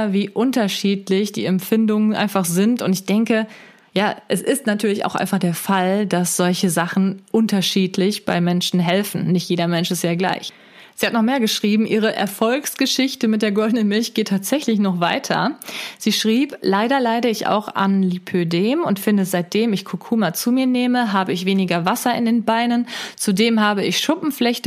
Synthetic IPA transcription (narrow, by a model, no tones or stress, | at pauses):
viːʔʊntɐʃiːtlɪçd̥ḭːɛmfɪndʊŋənʔa̰ɪnfaχz̥ɪntʊntɪçd̥ɛŋkə | jaːʔɛsɪstnatʰyːɐlɪça̰ʊxʔa̰ɪnfaχd̥eːɐfaldasz̥ɔlçəzaχn̩ʔʊntɐʃiːtʰlɪçb̥aɪmɛnʃn̩ɦɛlfn̩nɪçtjeːdɐmɛnʃɪstjaːɡla̰ɪç | z̥iːhatnɔχmeːɐɡəʃʁ̥iːbm̩ʔiːʁ̞əʔɛ̰ɐfɔlksɡ̥əʃɪçtəmɪt̚d̥eːɐɡɔldnənmɪlçɡ̥eːtʰːaːtz̥ɛçlɪçnɔχv̥aɪtʰɐ̰z̥iːʃʁ̥iːplaɪdɐlaɪdəɪça̰ʊxa̰nlipʰødeːmʊntfɪndəzaɪt̚d̥eːmɪçkʰokʰuːmat͡suːmiːɐneːməɦaːbəɪçv̥eːnɪɡɐvasɐɪndeːnbaɪnənt͡sudeːmhaːbəɪçʃʊpm̩flɛçtə